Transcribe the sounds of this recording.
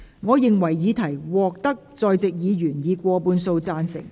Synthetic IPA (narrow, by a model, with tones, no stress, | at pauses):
ŋɔː˨˧jɪ˨ŋwɐ˨˩jːiː˨˧t̪ʰɐ˨˩jwɔː˨k̚t̪ɐ˥k̚t͡sɔː˧jt͡sɪ˨k̚jiː˨˧jyː˨˩njiː˨˧kʷɔː˧puː˧nso˧wt͡saː˧nsɪ̰˨˩ŋ